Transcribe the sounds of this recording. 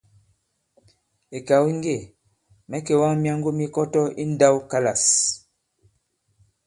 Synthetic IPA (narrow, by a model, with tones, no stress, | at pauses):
e˨ka˨wi˦ŋ˦ɡe˦˨ | mɛ˦ke˨wa˦ŋmja˦ŋ˦ɡo˦mi˦kɔ˦tɔ˦i˦n˦da˦wka˦la˨s